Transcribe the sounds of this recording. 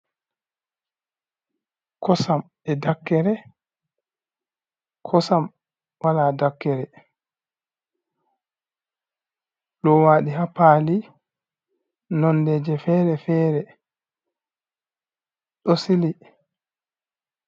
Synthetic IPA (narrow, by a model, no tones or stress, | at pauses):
kʰɔsam | ɛdakːɛɾɛ | kʰɔsam | waladakːɛɾɛ | ɗɔwaːɗiɦapali | nɔndɛd͡ʒɛfɛːɾɛfɛːɾɛ | ɗɔsili